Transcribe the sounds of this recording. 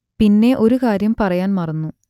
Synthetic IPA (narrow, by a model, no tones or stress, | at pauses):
pinːe̞ʔo̞ɾukaːɾjɐmpɐrɐjaːnmɐrɐnːu